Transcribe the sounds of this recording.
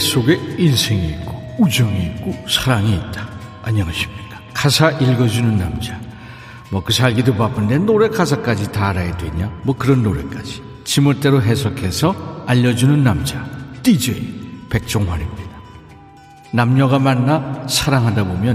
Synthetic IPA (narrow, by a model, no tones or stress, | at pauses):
sʰoɡe̞insʰeŋiːt̚k͈oud͡ʑʌŋiːk͈osʰaɾaŋiːt̚t͈ḁː | ɲaŋaɕʰi̥mɲik͈ḁkʰasʰaʔiɭɡʌd͡ʑunɯnːamd͡ʑa | mʌkɯsʰaɭɡidopapɯnde̞noɾe̞kasʰak͈ad͡ʑitaːɾajedwe̞ɲamʌkɯɾʌnːoɾe̞k͈ad͡ʑi̥ | t͡ɕimɯɭt͈e̞ɾoɦesʰʌkʰe̞sʰʌaʎːʌd͡ʑunɯnːamd͡ʑat͈id͡ʑepe̞k̚t͡ɕ͈ʌŋɦaɾimɲidḁ | namɲʌɡamanːasʰaɾaŋɦadabomjʌn